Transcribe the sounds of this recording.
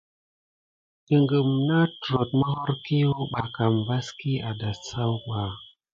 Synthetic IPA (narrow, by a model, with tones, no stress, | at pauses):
ɗə˨ŋɡə˨mna˦tɾo˨t̚mə˦ho˦ɾki˦wu˦ɓa˨ka˨mba˦ski˦a˨da˨ssa˦wɡa˨